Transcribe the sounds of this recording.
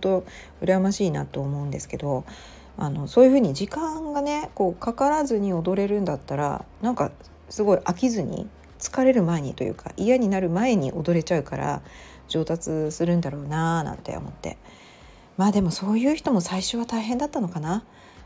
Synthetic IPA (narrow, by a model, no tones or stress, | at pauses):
õnt̪o̞ | ɯ̟ɾamaɕiːnat̪o̞ːmo̞ɯ̟̃nd̪e̞sɨ̥ke̞d̪o̞ | a̰no̞so̞ːjɯ̟ɸɯ̟ːɲ̟id͡ʑikãŋɡane̞ko̞ːkakaɾazɨɲ̟io̞d̪o̞ɾe̞ɾɯ̟̃nd̪at̪ːaɾa̰nãŋka | sɨɡo̞iʔakʲizɨɲ̟ʲḭ | t͡sɨ̥kaɾe̞ɾɯ̟mae̞ɲ̟it̪o̞jɯ̰ːkʰa̰ʔijaɲ̟inaɾɯ̟mae̞ɲ̟iʔo̞d̪o̞ɾe̞t͡ɕaɯ̟kaɾa̰ | d͡ʑo̞ːt̪at͡sɨsɨɾɯ̟̃nd̪aɾo̞ːnanã̰nt̪ḛo̰mo̞̰t̪ːe̞̰ | maːd̪e̞mo̞so̞ːjɯ̟ːçi̥t̪o̞mo̞saiɕo̞β̞at̪aiɦẽ̞nd̪at̪ːano̞kana